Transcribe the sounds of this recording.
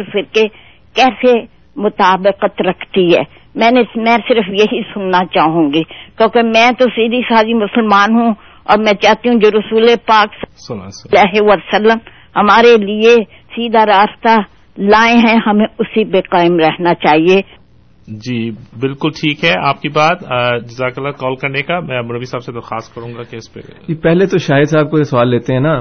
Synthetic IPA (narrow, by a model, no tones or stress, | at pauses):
ɾfɪɾke | kɛːse | mʊt̪aːbɪqət̪ɾɐkʰt̪iɦɛ̰ː | mɛ̃ːnemɛ̃ːsɪɾəfjɐɦisʊnːat͡ʃaːɦũːɡikjõːkemɛ̃ːt̪osiːd̪isaːd͡ʒimʊsəlmaːnɦũ | ɔ̰ːɾmɛ̃t͡ʃaːɦt̪iɦũd͡ʒoːɾʊsuːlepaːkslaːɦeʋasəlːəm | hɐmaːɾelie | siːd̪aɾaːst̪a | laːẽɦɛ̃ɦɐmẽʊsibeːqaːɪmɾɛɦnat͡ʃaːɦieː | d͡ʒiːbɪlkʊlʈʰiːkɦɛaːp̚kibaːt̪ːd͡ʒɪzaːklːakɔːlkɐɾnekamɛ̃ːbʊɾəbisaːbsed̪ɐɾxaːskɐɾũːŋɡakeɪspḛipɛɦlet̪oʃaːɦɪd̪saːb̚koesɐʋaːlːeːt̪eɦɛ̃na